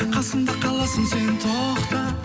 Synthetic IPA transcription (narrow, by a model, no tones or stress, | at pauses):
qʰɑsəmd̪əqʰɑlˠɑsənsejɪnt̪ʰoqt̪ə